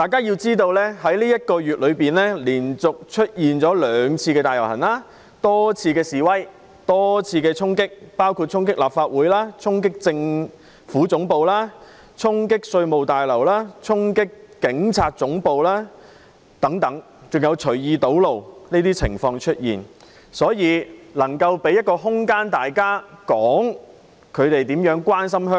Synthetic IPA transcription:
t̪aː˨˩jkaː˥ji˧wt͡siː˥t̪o˧wlɛː˥ɦɐ˨˥jliː˥jɐ˥t̚kɔː˧jyː˨t̚lɵ˨˧ɥpiː˨nɛː˥liː˨˩nt͡sʊ˨k̚t͡ʃʰɵ˥t̚jiː˨nt͡sɔː˨˥lœː˨˧ŋt͡sʰiː˧kɛ˧t̪aː˨jɐ˨˩wɦɐ̰˨˩nlaː˥ | t̪ɔː˥t͡sʰiː˧kɛː˧siː˨wɐ˥j | t̪ɔː˥t͡sʰiː˧kɛː˧t͡sʰʊ˥ŋkɪ˥k̚paː˥wkʰu˧t̚t͡ʃʰʊ˥ŋkɪ˥k̚laː˨p̚faː˧t̚wuː˨˥jlaː˥t͡sʰʊ˥ŋk̬ɪ˥k̚t͡sɪ˧ŋ | fuː˨˥t͡sʊ˨˥ŋpo˨˧wlaː˥ | t͡sʰʊ˥ŋkɪ˥k̚sɵ˧ɥmo˨wt̪aː˨˩jlɐ˨˩wlaː˥t͡sʰʊ˥ŋkɪ˥kːɪ˨˥ŋt͡sʰaː˧t̚t͡sʊ˨˥ŋpo˨wlaː˥ | t̪ɐ˨˥ŋt̪ɐ˨˥ŋ | t͡sʊ˨ŋjɐ˨˧wt͡ʃʰɵ˨˩ɥjiː˨˧t̪o˨˥wlo˨wneː˥t̪iː˥t͡sʰɪ̰˨˩ŋfɔː˧ŋt͡ʃʰɵ˥t̚jḭː˨˩n | sɔː˨˥jiː˨˧lɐ˨˩ŋkɐ˧wpe˨˥jɐ˥t̚kɔː˧ɦʊ˥ŋkaː˥nt̪aː˨jkaː˥kɔː˨˥ŋ | kʰɵ˨˧ɥt̪e˨jt̪iː˨˥mjœː˨˥ŋkwaː˥nsɐ˥mɦœː˥ŋ

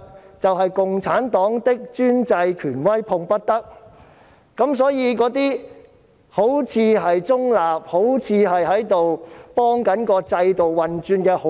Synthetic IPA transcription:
t͡sɐ˨wɦɐ˨jkʊ˨ŋt͡sʰaː˨˥nt̪ɔː˨˥ŋt̪ɪ˥k̚t͡ʃyː˥nt͡sɐ˧jkʰyː˨˩nwɐ˥jpʰʊ˧ŋpɐ˥t̚t̪ɐ˥k̚ | kɐ˨˥ms̬ɔː˨˥jiː˨˧kɔː˨˥t̪̬iː˥ | ho˨˥wt͡sʰiː˧ɦɐ˨jt͡sʊ˥ŋlaː˨p̚ho˨˥wt͡sʰiː˨˧ɦɐ˨jɦɐ˨˥jt̪o˨wpɔː˥ŋkɐ˨˥nkɔː˧t͡sɐ˧jt̪o˨wwɐ˨nt͡ʃyː˧nkɛː˧ho˨

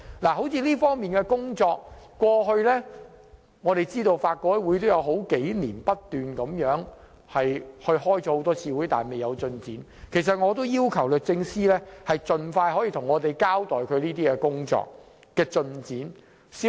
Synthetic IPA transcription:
laː˨˩ɦo˨˥wt͡sʰiː˧liː˥fɔː˥ŋmiː˨nkɛ˧kʊ˥ŋt͡sɔː˧k̚kːʷɔː˧ɦɵ˧ɥlɛː˥ | ŋɔː˨˧ɾe˨jt͡siː˥t̪o˧wfaː˧t̚kɔː˥wuː˨˥jt̪o˥wjɐ˨˧wɦo˨˥wke˨˥jliː˨˩npɐ˥t̚t̪yː˨˩nkɐ˨˧˥mjœː˨˥ŋ | hɐ˨jhɵ˧ɥhɔː˥jt͡sɔː˨˧˥ho˨˥wt̪ɔː˥t͡sʰiː˧wuː˨˥jt̪a̰ː˨˩nme˨jɐ˨˧wt͡sɵ˧nt͡siː˨˥n | kʰe˨˩jsɐ˨t̚ŋɔː˨˧t̪o˥wjiː˥wkʰɐ˨˩wlœː˨k̚t͡sɪ˧ŋsiː˥lɛː˥hɐ˨jt͡ʃɵ˨nfaː˧jɦɔː˨˥jiː˧t̪ʰʊ˨˩ŋɔː˨˧t̪e˨jkaː˥wt̪ɔː˨jkʰɵ˨˧ɥliː˥t̪iː˥kɛ˧kʊ˥ŋt͡sɔ̰ː˧k̚ | kɛː˧t͡ʃɵ˧nt͡siː˨˥n | si˨˥

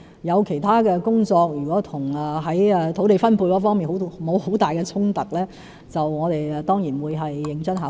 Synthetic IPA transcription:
jɐ˨˧wkʰe˨˩jt̪ʰaː˥kɛː˧kʊ˥ŋt͡sɔː˧k̚jyː˨˩kɔː˨˥t̪ʰʊ˨˩ŋɛ˨ɦɐ˨˥jt̪ʰo˨˥wt̪e˨jfɐ˥npʰu˧jkɔ˨˧˥fɔː˥ŋmiː˨nho˨˥wmo˨˧who˨˥wt̪aː˨jkɛː˧t͡sʰʊ˥ŋt̪ɐ˨˩k̚lɛː˥ | t͡sɐ˨wŋɔː˨˧t̪e˨jt̪ɔː˥ŋjiː˨˩nwuː˨˧jɦɐ˨jːɪ˨˧ŋt͡sɐ˥nɦaː˨˥

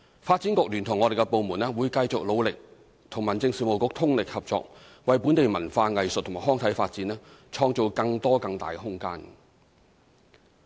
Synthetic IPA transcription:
faː˧t̚t͡siː˨˥nkʊ˨˥k̚lyː˨˩nt̪ʰʊ˨˩ŋɔː˨˧ɾe˨jkɛ˧po˨wmuː˨˩nɛː˥wuː˨˧jkɐ˧jt͡sʊ˨k̚lo˨˧wlɪ˨k̚ | t̪ʰʊ˨˩ŋmɐ˨˩nt͡sɪ˧ŋsiː˨˩mo˨˧wkʊ˧˥k̚t̪ʰʊ˥ŋlɪ˨k̚hɐ˨p̚t͡ʃɔ̰ː˧˨k̚ | wɐ˨˧jpuː˨˥nt̪e˨jmɐ˨˩nfaː˧ŋɐ˨jsə˨t̪ʰːma˨˩ɦɔː˥ŋt̪ʰɐ˨˥jfaː˧t̚t͡siː˨˥nɛː˥t͡ʃʰɔː˧ŋt͡so˨˧wkɐ˧ŋt̪ɔː˥kɐ˧ŋt̪a̰ː˨˩jkɛ˧ɦʊ˥ŋkaː˥n

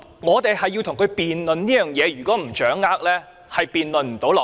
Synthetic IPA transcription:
ŋɔː˨˧t̪e˨jhɐ˨jːiː˧wt̪ʰʊ˨˩ŋkʰɵ˨˧jpiː˨nlɵ˨nniː˥jœː˨ŋjɛː˨˧jyː˨˩kɔː˨˥m̩˨˩t͡ʃœː˨˥ŋːaː˥k̚lɛː˥ | hɐ˨jpiː˨nlɵ˨nm̩˨˩t̪o˨˥wlɔː˨

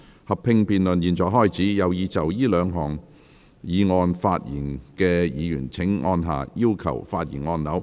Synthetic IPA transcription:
hɐ˨pʰɪ˧ŋpiː˨˧nlɵ˨njiː˨nt͡sɔː˨˩ɦɔː˥˩jt͡siː˨˥jɐ˨˧wjiː˨˧t͡sɐ˨˩wjiː˥lœː˨˧ŋɦɔː˨˩ŋ | jiː˨˧ŋɔː˧nfaː˧t̚jḭː˨˩nkɛː˧jiː˨˧jy̰ː˨˩nt͡sʰɪ˨˥ŋʔɔː˧nɦa̰ː˨˩jiː˥wkʰɐ̰˨˩wfaː˧t̚jḭː˨˩nŋɔː˧nnɐ˨˥w

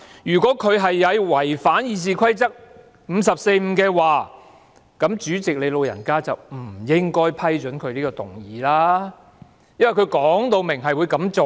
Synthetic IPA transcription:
jyː˨˩kʷɔː˨˥kʰɵ˨˧ɥɦɐ˨jːɐ˨˧jwɐ˨˩jfaː˨˥njiː˨˧s̬iː˨kʰɐ˥jt͡sɐ˥k̚ | m̩ː˨˧sɐ˨p̚se˧jm̩ː˨˧kɛː˧waː˨˩ | kɐ˨˥mt͡ʃyː˨˥t͡sɪ˨k̚le˨˧jlo˨˧wjɐ̰˨˩nkaː˥t͡sɐ˨wm̩˨˩jɪ˥ŋkɔː˥jpʰɐ˥jt͡ʃɵ˨˥nkʰɵ˨˧ɥliː˥kɔː˧t̪ʊ˨ŋjiː˨˦laː˥ | jɐ˥nwɐ˨˩jkʰɵ˨˧ɥkɔː˨˥ŋt̪o˧wmɪ˨˩ŋɦɐ˨jwuː˨˧jkɐ˨˥mt͡so˨

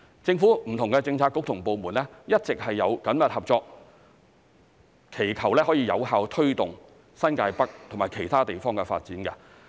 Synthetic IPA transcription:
t͡sɪ˧ŋfuː˨˥m̩˨˩t̪ʰʊ˨ŋkɛ˧t͡sɪ˧ŋt͡sʰaː˧t̚kːʊ˥k̚t̪ʰʊ˨˩ŋpo˨wmuː˨˩nlɛ˥jɐ˥t̚t͡sɪ˨k̚hɐ˨jːɐ˨˧wkɐ˨˥mjɐ˨t̚hɐ˨p̚t͡sɔː˧k̚ | kʰe˨˩jkʰɐ˨˩wlɛː˥ɦɔ˨˥jiː˧jɐ̰˨˧wɦaː˨˧wt̪ʰɵ˥ɥt̪ʊ˨ŋ | sɐ˥nkaː˧jpɐ˥k̚t̪ʰʊ˨˩maː˨˩jkʰe˨˩jt̪ʰaː˥t̪e˨jfɔː˥ŋkɛ˧fa̰ː˧t̚t͡siː˨˥nkɐ˧

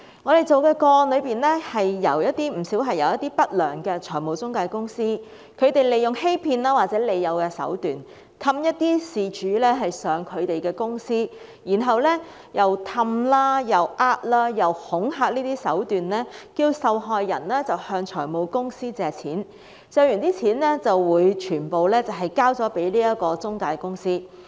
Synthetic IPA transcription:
ŋɔː˨˧ɾe˨jt͡so˨wkɛː˧kɔː˧nlɵ˨˧ɥpiː˨nlɛː˥hɐ˨jːɐ˨˩wjɐ˥t̚t̪iː˥m̩˨˩siː˨˥wɦɐ˨jɐ˨wjɐ˥t̪iː˥pɐ˥t̚lœː˨˩ŋkɛː˧t͡ʃʰɔː˨˩jmo˨˧wt͡sʊ˥ŋkaː˧jkʊ˥ŋsiː˥ | kʰɵ˨˧ɥt̪e˨˩jle˨jːʊ˨ŋhe˥jpʰiː˧nlaː˥waː˨t̚t͡sɛː˨˥le˨˧jːɐ˨˧wkɛː˧sɐ̰˨˥wt̪yː˨n | t̪ʰɐ˧mjɐ˥t̚t̪iː˥siː˨˩t͡ʃyː˨˥lɛː˥ɦɐ˨jsœː˨˧ŋkʰɵ˨˧ɥt̪e˨jkɛː˧kʊ˥ŋsiː˥ | jiː˨˩nɦɐ˨wlɛː˥ | jɐ˨˩wt̪ʰɐ˧mlaː˥jɐ˨˩wʔaː˥t̚laː˥jɐ˨whʊ˨˥ŋɦaː˧k̚niː˥t̪iː˥sɐ˨˥wt̪yː˨nlɛː˥kiː˧wsɐ˨wɦɔː˨jːɐ̰˨˩nlɛː˥t͡sɐ˨whœː˧ŋt͡ʃʰɔː˨˩jmo˨˧wkʊ˥ŋsiː˥t͡sɛː˨t͡sʰiː˨˥n | t͡sœː˧wjyː˨˩nt̪iː˥t͡sʰiː˨˥nlɛː˥t͡sɐ˨wːuː˨˧jt͡ʃʰyː˨˩npo˨˧wlɛː˥t͡sɐ˨wɦɐ˨˩jkaː˥wt͡sɔː˨˥pe˨˥jliː˥jɐ˥t̚kɔː˧t͡sʊ˥ŋkaː˧jkʊ˥ŋsiː˥

